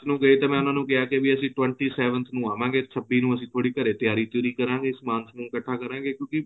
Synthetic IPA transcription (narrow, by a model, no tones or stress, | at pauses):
nũːɡəeːt̪eːmɛ̃ːʊnãːnũːkɪaːkebiəsĩːʈwɛ̃ɳʈiːsɛːʋənt̪ʰnũːaːʋãːɡeːsəbiːnũːəsĩːt̪ʰoːɽiːkəɾeːt̪ɪjaːɾiːt̪ʊɾiːkəɾãːɡeːsmãːnsnũːkəʈʰːaːkəɾãːɡeːkjõːkɪ